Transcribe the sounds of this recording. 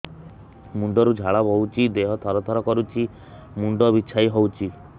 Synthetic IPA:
muɳɖɔɾud͡ʒʱaɭɔbʱɔwt͡ʃʰid̪eɦɔt̪ʰɔɾɔt̪ʰɔɾɔkɔɾut͡ʃʰi | muɳɖɔbit͡ʃʰajɦowt͡ʃʰi

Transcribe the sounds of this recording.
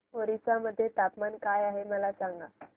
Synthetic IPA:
oɾisaməd̪ʱːjet̪apmankajaɦeməlasaŋɡa

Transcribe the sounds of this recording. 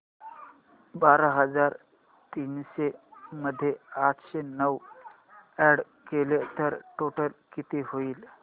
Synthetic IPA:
baɾaɦəd͡zaɾ | t̪iːnɕeməd̪ʱːjeat̪ʰɕenəw | ɛɽ | kelet̪əɾʈoʈəlkit̪iɦoiːl

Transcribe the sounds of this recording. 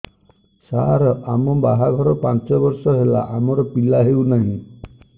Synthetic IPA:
saɾɔamɔbaɦaɡʱɔɾɔpant͡ʃɔbɔɾsɔɦela̰ʔamɔɾɔpilaɦewnaɦĩ

